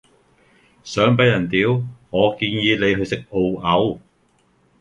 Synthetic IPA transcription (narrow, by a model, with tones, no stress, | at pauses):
sœː˨˥ŋpɐ˨˧jɐ˨˩nt̪iː˨˥wŋɔː˨˧kiː˧njiː˨˧le˨˧jɦɵ˧ɥsɪ˨k̚o˧wɐ˨˥w